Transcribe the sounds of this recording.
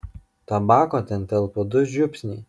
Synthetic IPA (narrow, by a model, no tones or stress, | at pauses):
t̪ɐbɑːkot̪ʲɛnt̪ʲɛlˠpʊd̪ʊʒʲʊpʲsʲnʲɛː